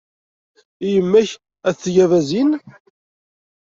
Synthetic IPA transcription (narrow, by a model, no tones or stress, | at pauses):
ijəmːæç | æθθʝævæzin